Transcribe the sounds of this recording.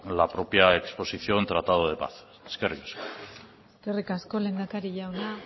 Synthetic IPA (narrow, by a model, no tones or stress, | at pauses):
lapɾo̞pjaekspo̞siθio̞nt̪ɾat̪aðoð̞epa̰θ | eskerikḁsko | eskerikasko̞le̞nd̪akaɾiʝawna